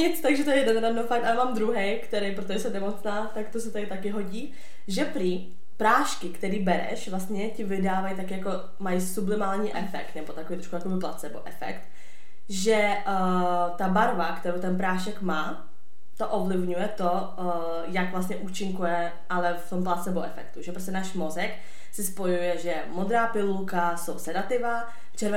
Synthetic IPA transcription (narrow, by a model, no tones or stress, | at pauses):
ɲɪt͡st̪aɡʒɛt̪ojɛjɛdɛnɾadnowfak̚t̪alɛmaːmd̪ɾuɦɛjkt̪ɛɾejp̬ɾot̪oʒɛsɛmnɛmot͡snaːt̪akt̪os̬ɛt̪adɪt̪akɪɦo̞ɟiː | ʒɛpɾiː | pɾaːʃkɪkt̪ɛɾiːbɛɾɛ̰ʃvlast̪ɲɛcɪvɪdaːvajt̪akɪjako̞ | majsublɪmaːlɲiːʔɛfɛ̰kt̪nɛbot̪akovijt̪ɾokujakobɪpla̰t͡sɛnɛbo̰ʔɛfɛ̰kt̪ | ʒɛ | t̪abaɾvakt̪ɛɾowt̪ɛnpɾaːʃɛkmaː | t̪oʔovlɪvɲujɛt̪o | jakvlast̪ɲɛʔuːt͡ʃɪŋkujɛ | ʔalɛft̪o̞mplasɛboʔɛfɛ̰kt̪uʒɛpɾos̬cɛnaːʃmozɛk | sɪspo̞jujɛʒɛjɛmod̪ɾaːpɪlulkasowsɛdat̪ɪva | ft͡ʃɛɾvɛ